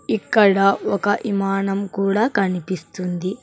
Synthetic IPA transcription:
ikːɐɽɐɔkɐʔimaːɳɐmkuːɽaːkɐnipist̪und̪i

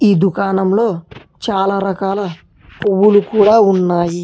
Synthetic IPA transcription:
iːd̪ukaːnɐmlo̞ː | t͡ʃaːlaːɾɐkaːlɐ | owːulukuːɽaːunːaːji

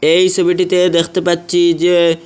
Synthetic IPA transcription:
ejsobʱiʈit̪ed̪ekʰt̪epatːt͡ʃʰid͡ʒe

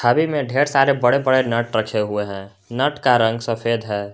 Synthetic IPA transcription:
t͡ʃʰaːbimẽɖʱeːɾsaːɾebɐɽebɐɽenəʈɾɐkʰeɦʊeɦɛ̃ː | nəʈkaɾə̃ŋɡsɐfʰeːd̪ɦɛː

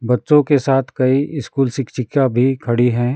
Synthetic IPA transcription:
bɐtːʃõkesaːt̪ʰkɐiɪskuːlsɪkt͡ʃɪkjabʱikʰɐɽiɦɛ̃ː

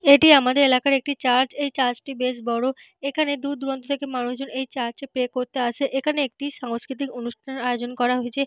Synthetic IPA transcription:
eʈiamad̪eɾelakaɾek̚ʈit͡ɕaɾd͡ʑejt͡ɕaɾd͡ʑʈibeʃbɔɽo | ekʰaned̪uɾd̪uɾont̪ot̪ʰekemanuʃd͡ʑonejt͡ɕaɾt͡ɕepekoɾt̪eaʃʰeʔekʰaneek̚ʈiʃaŋskɾit̪̬ikonuʃʈʰanaeod͡ʑonkɔɾaɦoet͡ɕʰe

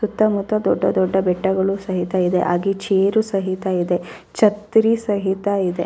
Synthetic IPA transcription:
sut̪ːɐmut̪ːɐd̪ɔɖːɐd̪ɔɖːɐbɛʈːɐɡɐɭusɐɦit̪ɐid̪ḛʔaːɡit͡ʃeːɾusɐɦit̪ɐid̪e̞ | t͡ʃɐt̪ɾisɐɦit̪ɐid̪e

